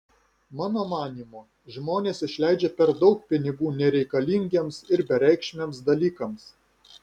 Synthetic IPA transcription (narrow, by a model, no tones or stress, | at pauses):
mɑːnoːmɑːnʲiːmoː | ʒmoːnʲeːsɪʃʲlʲæˑɪd͡ʒʲepʲɛɾd̪ɒʊk̚pʲɪnʲɪɡuːnʲɛɾʲɛɪkɐlʲɪŋʲɡʲeːmsɪɾbʲɛɾʲɛɪkʃʲmʲeːmsd̪ɐlʲiːkɐms